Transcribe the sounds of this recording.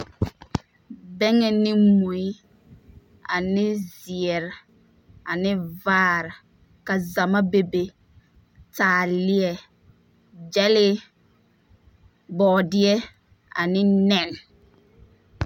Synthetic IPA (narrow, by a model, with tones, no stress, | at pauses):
bɛ˦ŋɛ˨nɪ˦mo˨i˦ | a˨nɪ˦zɪ˨ɛ˨ɾ | a˨nɪ˦vaː˦˨ɾɪ˨ | ka˨za˨ma˦be˨be˨ | taː˨lɪ˦ɛ˨ | d͡ʒɛ˦lɪ˦ | bɔː˨dɪ˦ɛ˦ | a̰˨nɪ˦nɛ˦˨n